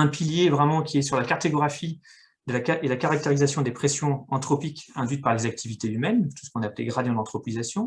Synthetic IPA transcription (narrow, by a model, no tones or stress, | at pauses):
ɛ̃piljevʁɛmɑ̃kʲiɛsyʁlakaʁt̪oɡʁafi | d̪əlakaelakaʁak̚t̪eʁizasjɔ̃d̪epχesjɔ̃ɑ̃t̪χɔpikɛ̃d̪ɥyt̪̚paʁlezak̚t̪ʰivit̪eymɛnt̪u̥sə̥kɔ̃naplḛɡʁad̪jɔ̃d̪ɑ̃t̪χɔpizasjɔ̃